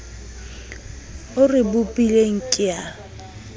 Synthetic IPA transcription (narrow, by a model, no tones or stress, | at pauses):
ʊrɪbʊpʼileŋ̩kʼɪa